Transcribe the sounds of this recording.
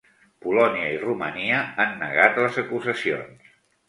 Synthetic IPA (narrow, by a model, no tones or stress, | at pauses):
pulɔniəirumə̰niəanːə̰ɣat̪ləzəkuzəsio̰ns